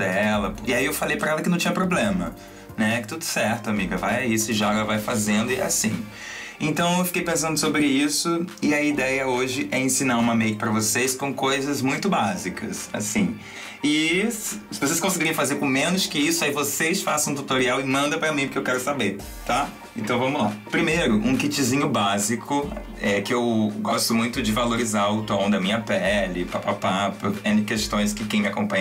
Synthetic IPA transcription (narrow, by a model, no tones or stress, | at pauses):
d̪ɛlɐpɪaiewfalejpɾɐɛlɐkɪnɐ̃w̃t͡ʃĩɲɐpɾoblẽmɐ̰ | nɛkɪt̪ud̪ʊ̥sɛɾt̪ʊamiɡɐvajaisɪʒaɡɐvajfazẽnd̪ʊɪɛ̰asĩ | ẽnt̪ɐ̃w̃ewfi̥kejpẽsɐ̃nd̪ʊsobɾɪisʊɪɐid̪ɛjɐoʒɪʔɛẽsĩnaɾũmɐmejkɪ̥pɾɐvoseskõw̃kojzɐzmũj̃t̪ʊbazikʰɐ̰sa̰sĩ | ɪ | sɪvos̬eskõsɪɡiɾẽfazeɾkõmẽnʊskɪisʊaivosesfasɐ̃t̪ut̪oɾiawɪmɐ̃nd̪ɐpɾɐmĩpʊkɪewkɛɾʊsabeɾ | t̪a | ẽnt̪ɐ̃w̃vɐ̃mʊlapɾimejɾʊʔũkit͡ʃizĩɲʊbazikʰʊ | ɛkɪewɡɔst̪ʊmũj̃t̪ʊd͡ʒɪvaloɾizaɾʊt̪õd̪ɐmĩɲɐpɛlɪpapapapɐɛ̃ɪ̃kest̪õj̃skɪkẽj̃mɪakõpɐ̃